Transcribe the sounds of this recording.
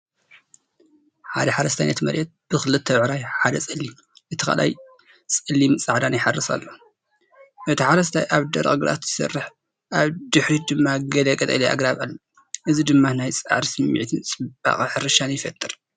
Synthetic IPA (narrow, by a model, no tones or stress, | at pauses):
ħad̪ɐħaɾɐst̪ʰanɐ̰t̪mɐ̰ɾʔɛt̪̚b̥ɨxɨlɨt̪ʰːɐʕɾajħad̪ɐt͡sʼɨlːi | ʔɨt̪ʰɨxa̰lʔa̰j | t͡sʼɨlimt͡sʼaʕd̪anjɪħarːɨsa̰lːo | ʔɨt̪ʰiħaɾɐs̬t̪ʰajʔaβd̪ɐ̰ɾkʼɨɡɨɾa̰t̪z̥ɨsɐ̰rːɨħ | ʔaβd̪ɨħɾid̪ɨmːaɡɐlɐkʼɐt̪ʼɐ̰liʔa̰ɡɾaβalːo | ʔɨzid̪ɨmːanajt͡sʼa̰ʕɾisɨmːḭʕt̪ʰɨnt͡sʼɨb̥a̰χʼɨħɨɾɨʃanjɪfɐt̪ʼːɨɾ